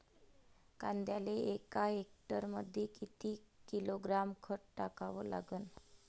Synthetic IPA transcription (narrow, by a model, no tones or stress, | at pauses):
kand̪jaleʔekaɦek̚ʈəɾməd̪ʱːjekit̪ikiloɡɾamkʰəʈʈakaʋɔla̰ɡəːn